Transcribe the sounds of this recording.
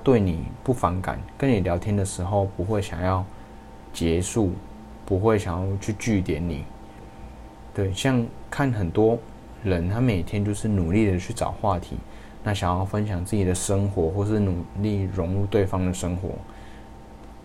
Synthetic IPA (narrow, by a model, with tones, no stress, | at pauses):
t̪we˥˩ɪni˨˩pu˥˩fɑ˧˥ŋka̰˨˩˦nkə˦˥ni˨˩ljɑ˧˥ʊt̪ʰjɛ˥nd̪ə˨ʂɻ̩˧˥xo˥˩ʊpu˧˥xwe˥˩ɪɕjɑ˨˩ŋjɑ˥˧ʊ | t͡ɕjɛ˧˥˦ʂu˥˩ | pu˧˥xwe˥˩ɪɕjɑ˨˩ŋjɑ˥˧ʊt͡ɕʰy˥˧t͡ɕy˥˩t̪jɛ˧˥nnḭ˨˩˦ | t̪we˥˩ɪɕjɑ˥˧ŋkʰa˥˩nxə˨˩nt̪wɔ˥ | ɻə˧˦nt̪ʰa˥me˨˩ɪt̪ʰjɛ˥nt͡ɕjo˥˧ʊʂɻ̩˥˩nu˨˩li˥˩d̪ə˨˩t͡ɕʰy˥˩ʈ͡ʂɑ̰˨˩ʊxwa˥˩t̪ʰḭ˧˥˦ | na˥˩ɕjɑ˨˩ŋjɑ˥˩ʊfə˦nɕʰjɑ˨˩ŋt͡sɹ̩˥˩t͡ɕi˨˩d̪ə˩ʂə˥ŋxwɔ˧˥xwɔ˥˧ʂɻ̩˥˩nu˨˩li˥˩ɻʊ˧˥ŋɻu˥˧t̪we˥˩ɪfɑ˥ŋd̪ə˨ʂɤ˥ŋxwɔ̰˧˥˦